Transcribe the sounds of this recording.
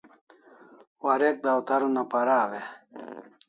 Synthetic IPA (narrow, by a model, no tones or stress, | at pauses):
waɾek̚d̪awt̪ɐɾunapaɾaːwe